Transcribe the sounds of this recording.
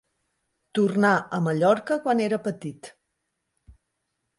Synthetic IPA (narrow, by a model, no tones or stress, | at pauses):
t̪urnaəməʎɔɾkəkwaneɾəpət̪it̪